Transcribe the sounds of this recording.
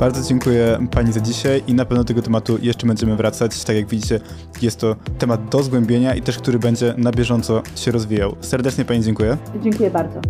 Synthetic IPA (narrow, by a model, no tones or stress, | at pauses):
b̥aɾd̪zɔd͡ʑɛŋkujɛpaɲizad͡ʑiɕajʔinapɛvnɔd̪ɔt̪ɛɡɔt̪ɛmat̪ujɛʂt͡ʂɛbɛɲd͡ʑɛmɘvɾat̪sat͡ɕt̪akʲjaɡvʲid͡ʑit͡ɕɛ | jɛst̪ːɔt̪ɛmad̪̚d̪ɔzɡwɛmbʲjeɲaʔit̪ɛʂk̚t̪uɾɘbɛɲd͡ʑɛnabʲjɛʐɔnt̪sɔɕɛɾɔzvʲijawsɛɾd̪ɛt͡ʂɲɛpaɲid͡ʑɛŋkujɛd͡ʑeŋkujɛbaɾd̪zɔ